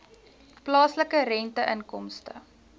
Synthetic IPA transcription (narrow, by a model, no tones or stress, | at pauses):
plɑːsləkəɾɛntəʔənkɔmstə̰